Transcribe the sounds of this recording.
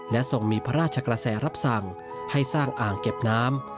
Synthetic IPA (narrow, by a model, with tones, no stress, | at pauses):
lɛ˦˥so˨˩ŋmiː˧pʰa˦˥ɾaː˥˩t̪̚t͡ɕʰa˧kɾa˧sɛː˩˦ɾa˦˥p̚sa˨˩ŋ | ha˥˩jsaː˥˩ŋʔaː˨˩ŋke˨˩p̚naː˦˥m